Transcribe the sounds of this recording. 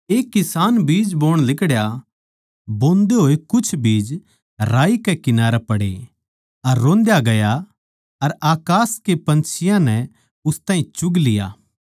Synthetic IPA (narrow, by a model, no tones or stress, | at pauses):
eːkːɪsaːnbiːd͡ʒboːɽ̃lɪkɽja | bõːnd̪eɦoːekʊt͡ʃʰbiːd͡ʒ | ɾaːikekɪnaːɾɛpɐɽḛ | ɐɾːõːnd̪jaɡɐja | ɐɾaːkaːskepɐ̃nt͡ʃʰɪjãnɛ | ʊst̪ãːɦĩt͡ʃʊɡlɪja̰ː